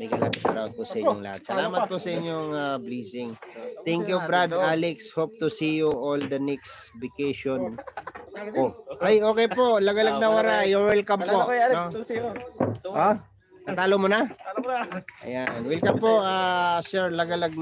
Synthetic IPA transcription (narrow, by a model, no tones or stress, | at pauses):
mɪɡɐlaɡsɐɾawd̪̚pʊʔsɐʔɪɲo̰ŋla̰ha̰t̪sɐlaːmɐt̪̚posɐʔɪɲːoŋabliːsɪŋt̪ɛŋkjubɾad̪ʔalɛkshop̚t̪ʊsiːjuʔold̪ɐnɛkst̪bɪkejʃon | oʔajʔoːkɛjpoʔlɐɡɐlaɡ̚nɐwɐɾaʔjʊŋwɛlkampoʔ | ʔo | ɐt̪aːlomonɐ | ɐ̰janwɛlkɐmpoʔasɛɹlɐɡɐlɐɡ̚